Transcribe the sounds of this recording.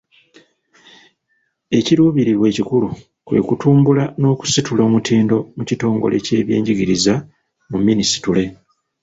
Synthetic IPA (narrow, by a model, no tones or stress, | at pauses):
e̞ciɾuːβiɾiβwe̞ːcikulu | kwe̞̰ːkutuːmbulano̞ːku̥situlo̞ːmutʰiːndo̞mucito̞ːŋɡo̞̰le̞̰ce̞ːβje̞̰ːɲɟiɡiɾiza | mumːinisi̥tule̞